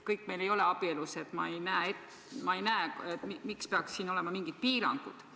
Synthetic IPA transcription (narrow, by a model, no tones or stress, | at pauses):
kɤjkːˑme̞jle̞jo̞le̞ɑb̥ieluse̞t̪ːˑmɑ̰ejnæːet̪ | mɑe̞jnæeet̪imikspe̞ɑkssiːno̞le̞mɑmiŋɡ̥id̪̥̚piːɾɑ̰ŋɡ̥ud̪̥